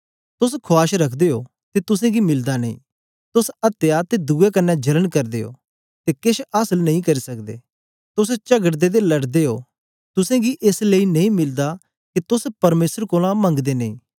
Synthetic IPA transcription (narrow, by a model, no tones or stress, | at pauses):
t̪ʊskʰʊaːʃɾɐkʰd̪eɦo̰ː | t̪et̪ʊsẽɡimɪld̪anɐḭ̃ː | t̪ʊsɐt̪ejat̪ed̪uːekɐnːɛd͡ʒɐlənkɐɾd̪eːɦo̰ː | t̪ekɪʃasəlnɐ̃ɦĩkɐɾisɐk̚d̪ḛː | t̪ʊst͡ʃɐɡəʈd̪ed̪elɐɽd̪eɦo̰ː | t̪ʊsẽɡiʔɪsleinɐĩmɪld̪a | kit̪ʊspɐɾmeːsəɾkoːlãmɐ̃ŋɡd̪enɐ̃ḭ̃ː